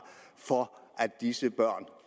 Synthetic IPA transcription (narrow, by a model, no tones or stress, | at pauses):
fɒʔæd̥d̥isəb̥ɶɐ̰n